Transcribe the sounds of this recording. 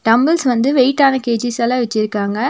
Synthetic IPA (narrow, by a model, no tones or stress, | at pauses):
ʈɐmbɐlsʋɐnd̪ɯʋeɪʈːaːnɐkeːd͡ʒɪsɐlaːʋɛt͡ʃːɪɾɯkːaːŋɡɐ